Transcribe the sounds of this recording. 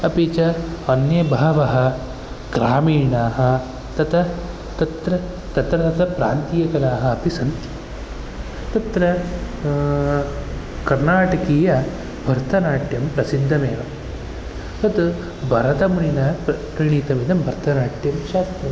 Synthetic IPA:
ɐpit͡ʃɐɐnjɐbʱaːʋɐɦɐ̆ | ɡɾaːmiːɳaːɦɐ | t̪ɐt̪ʰɐ | t̪ɐt̪ɾɐ | t̪ɐt̪ɾɐt̪ɐt̪ʰɐpɾaːnt̪ijɐkɐlaːɦɐɐpisɐnt̪i̥ | t̪ɐt̪ɾɐ | kɐɾnaːʈɐkiːjɐ | bʱɐɾt̪ʰɐnaːʈjɐmpɾɐsid̪ʱːɐmeːʋɐ | t̪ɐt̪ | bʱɐɾɐt̪ɐmuɳinɐpkɾiɳiːt̪ɐmid̪ɐmbʱɐɾt̪ʰɐnaːʈjɐmʃaːst̪ɾɐ

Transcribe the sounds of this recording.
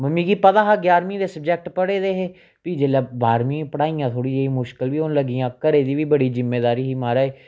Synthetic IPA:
məmiːɡiːpət̪aːɦaːɡjaːɾmĩːd̪eːsəb̚d͡ʒɛk̚ʈpəɽeːd̪eːɦeː | piːd͡ʒeːlaːbaːɾmĩːpəɽaːijãːt̪ʰoːɽiːd͡ʒeimʊʃkəlʋiːonləɡiːãːkəɾeːd̪iːʋiːbəɽiːzɪmːeːd̪aːɾiːɦiːmaːɾaːeː

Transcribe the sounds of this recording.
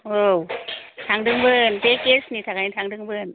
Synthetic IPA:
owt̪ʰaŋdɯŋbɯntekesnit̪ʰak̚at̪ʰaŋdɯŋbɯn

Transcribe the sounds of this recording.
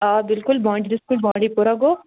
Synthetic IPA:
aːbɪlkʊlbãːɳɖidɪskʊlbãːɳɖipuɾaɡoː

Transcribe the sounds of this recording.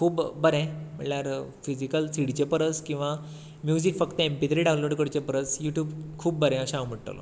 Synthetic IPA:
kʰuːpbəɾɛ̃m̤əɳljaɾfid͡ʑikəlt͡siɽt͡ɕepəɾət͡skĩw̃ʋa | mjud͡ʑikfəkt̪əempit̪ɾiɖãwnloɽkəɽt͡ɕepəɾət͡sjuʈjuːbkʰuːb̚ːəɾɛ̃əɕawm̤əɽʈ̪a̰lo̰

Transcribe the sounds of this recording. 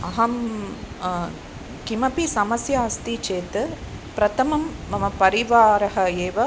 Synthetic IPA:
ɐɦɐm | kimɐpisɐmɐsjaːst̪it͡ʃeːt̪ɨ | pɾɐt̪ɐmɐmːɐmɐpɐɾiʋaːɾɐɦɐeːʋɐ

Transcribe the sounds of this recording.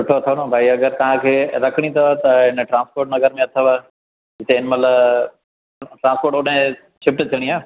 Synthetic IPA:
ʊʈʰoɐt̪ʰəʋnõbʱaːiɐɡəɾt̪ɐʋ̤ãkʰeːɾɐkʰəɽ̃it̪ʰoat̪ɐɦɪnʈɾãːnspoːɾʈ̚nɐɡəɾmẽɐt̪ʰəʋa | d͡ʑɪt̪eɪnəmɐt̪ləb | ʈɾãnspoːɾʈoɗɦɪ̃ | t͡ɕʰɪpʈt͡ɕɐɽ̃iaː

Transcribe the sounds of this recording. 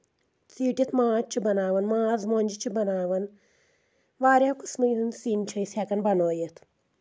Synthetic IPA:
t͡siːʈjit̪ʰmãːt͡ʃʰibɐnaːʋɐnmãːzmoːnʲd͡ʒit͡ʃʰibɐnaːʋɐn | ʋaːɾʲjaːkusmɐjd̪ɨnsiːnt͡ʃʰɐjsʲaːkɐnbɐnoːjet̪ʰ

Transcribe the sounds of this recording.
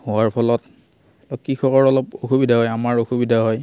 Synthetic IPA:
hʊwaɹpʰɔlɔt | lɔkixɔkɔɹɔlɔpoxubidʱaɦɔjamaɹoxubidʱaɦɔj

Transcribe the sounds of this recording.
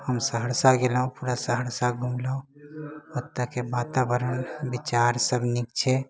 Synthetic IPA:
həmsəɦəɾsaɡeləõpuɾasəɦəɾsaɡʱumləõ | ət̪ːakebat̪abəɾənbit͡ʃaɾsəbʱnikt͡ʃʰɛ

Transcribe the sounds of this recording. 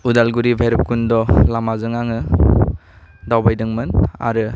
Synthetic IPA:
udalɡuɾibʱajɾɯp̚kundɔlamazɯŋaŋɯ | dawbajdɯŋmɯna̰ɾɯ

